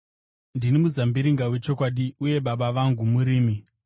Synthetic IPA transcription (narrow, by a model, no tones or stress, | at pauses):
ndinimuzambiɾiŋɡawe̞t͡ʃo̞kwaɗiuje̞ɓaɓaʋaŋɡumuɾiːmi